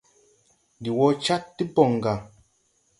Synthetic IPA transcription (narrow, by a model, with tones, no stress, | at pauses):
di˨wɔ˦t͡ʃa˦tːi˦bɔ˨ŋ˨ɡa˨